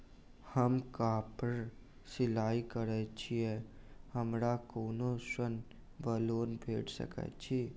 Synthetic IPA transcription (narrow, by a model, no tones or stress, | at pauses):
həmkaːpəɾ | sɪlaːikəɾɛt͡ʃʰiɛhəmɾakoːnosən | bəloːnbʱeːʈʰsə̰kə̰t͡ʃʰiː